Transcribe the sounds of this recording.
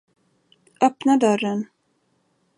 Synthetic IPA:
ʔœpnad̪œɾːən

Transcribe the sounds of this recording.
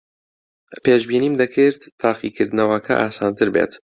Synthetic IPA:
peːʃbiːniːmd̪ɐkʰɨɾt̪t̪ʰːaːχiːkʰɨɾd̪ɨnɐwakʰɐ̰ʔaːsaːnt̪ɨɾbḛːt̪

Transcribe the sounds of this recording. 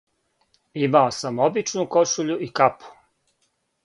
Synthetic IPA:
imaosamobit͡ʃnuko̞ʃuʎuikapʰu̥

